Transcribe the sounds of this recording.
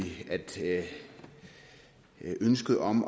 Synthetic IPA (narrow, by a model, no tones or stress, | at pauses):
iæd̥ | ʔønsɡ̥əð̩ˠɒ̽m